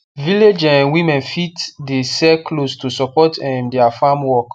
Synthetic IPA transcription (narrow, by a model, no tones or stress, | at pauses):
viled͡ʒɛ̃nwĩmɛ̃nfitdesɛkʰlostusɔpɔtɛ̃mdɛafamwɔk